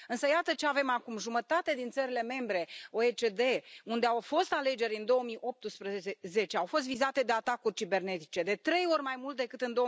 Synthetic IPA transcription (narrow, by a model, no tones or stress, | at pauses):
ɨnsəjat̪ət͡ʃe̞ave̞makumʒumət̪at̪ed̪int̪səɾile̞me̞mbɾe̞oet͡ʃe̞d̪e̞und̪e̞awfo̞st̪ale̞d͡ʒe̞ɾʲɨnd̪o̞omiʔo̞p̚t̪ɨspɾəze̞t͡ʃeawfo̞s̬t̪vizat̪e̞d̪e̞at̪akurʲt͡ʃibe̞rne̞t̪it͡ʃe̞d̪e̞t̪ɾe̞jo̞rʲmajmult̪̚d̪e̞kɨt̪ɨnd̪o̞